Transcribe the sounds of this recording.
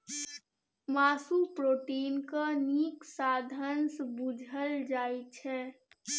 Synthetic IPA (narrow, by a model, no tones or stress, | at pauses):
maːsupɾoːʈiːnkaniːksaːd̪ʱənsbud͡ʒʱəld͡ʒaːjt͡ʃʰɛ